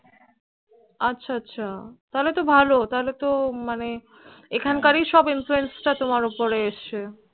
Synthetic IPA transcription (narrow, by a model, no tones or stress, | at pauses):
atːɕʰaatːɕʰat̪aɦolet̪obʱalot̪aɦolet̪omane | ekʰankaɾiʃɔbinfluensʈat̪omaɾupoɾeeʃt͡ɕʰe